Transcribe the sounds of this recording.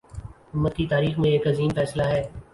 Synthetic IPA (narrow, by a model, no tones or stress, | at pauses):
ʊmːət̪̚kit̪aːɾiːxmẽeːkɐziːmfɛːslaɦɛː